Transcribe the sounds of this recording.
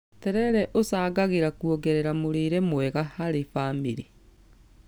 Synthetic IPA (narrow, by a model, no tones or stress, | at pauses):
tɛɾɛɾɛʔosaːɣaɣeɾakuɔɣɛɾɛɾamoɾeːɾɛmwɛɣahaɾefamiɾe